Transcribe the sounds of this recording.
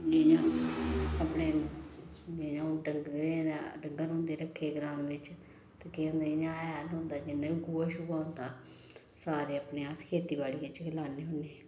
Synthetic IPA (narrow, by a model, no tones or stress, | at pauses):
eɲãː | əpneː | d͡ʒeãːɖəŋɡɾẽːd̪aːɖəŋɡəɾɦõːnd̪eːɾəkʰːeːɡɾaːmʋɪt͡ʃ | t̪akiːõːnd̪aːɪɲãːaːlɦõnd̪aːd͡ʒɪnːãːʋiːɡuːaːʃʊɡaːʊ̃nd̪aː | saːɾeːəpneːaːskʰeːt̪iːbaːɽiːɪt͡ʃkʰəlaːneːɦʊneː